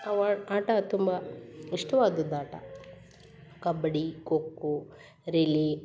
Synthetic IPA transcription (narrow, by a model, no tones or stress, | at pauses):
ɐʋaaːʈɐt̪umbɐiʂʈɐʋaːd̪ɐd̪aːʈɐ̰ | kɐbɐɽikokːu | ɾili